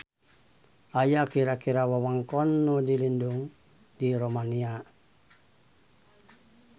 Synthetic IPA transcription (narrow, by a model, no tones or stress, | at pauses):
ajakiɾakiɾawawaŋkɔnːudilinduŋ | diɾomania